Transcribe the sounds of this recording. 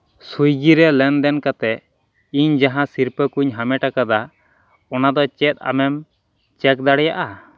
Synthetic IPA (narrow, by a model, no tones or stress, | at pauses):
sujɡiɾɛlɛnd̪ɛnkat̪ɛ | iɲd͡ʒaɦãsiɾpəkuɲɦamɛʈakad̪a | ɔnad̪ɔt͡ʃɛt̪̚ˀa̰mɛm | t͡ʃɛk̚d̪aɽɛjaʔa